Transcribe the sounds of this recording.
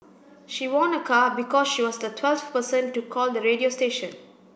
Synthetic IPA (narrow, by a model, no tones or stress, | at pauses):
ʃiwɔ̃nəkʰaːbɪkɔːzʃiːʋɔːzd̪ətʰwɛlfpəsə̃nʈːukʰɔːld̪əɾeːɖiosʈeːʃə̃n